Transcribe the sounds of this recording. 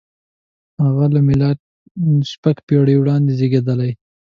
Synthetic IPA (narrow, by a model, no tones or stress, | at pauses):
haɣalamɪla | spakpeɽiwɽɑnd̪ezeɡed̪əlaj